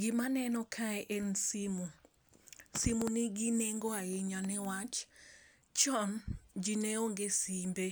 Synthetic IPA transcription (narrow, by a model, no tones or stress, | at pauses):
ɡɪmanɛnɔkʰaɛʔensimu | simuniɡineŋɡɔaeɲanɛwat͡ʃ | t͡ʃɔnd͡ʒineoŋɡesimbe